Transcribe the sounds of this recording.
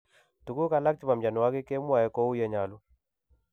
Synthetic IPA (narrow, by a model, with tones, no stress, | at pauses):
tu˨ku˦ka˦la˦k̚t͡ʃi˦ma˨md͡ʒa˨n˨wa˦kɪ˦ke˦mwa˨ɛ˦ko˦u˦jɛ˦ɲa˨lu˦